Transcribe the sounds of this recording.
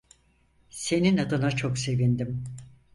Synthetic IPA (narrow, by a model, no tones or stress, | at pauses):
se̞ninad̪ɯnat͡ʃʰokse̞vind̪im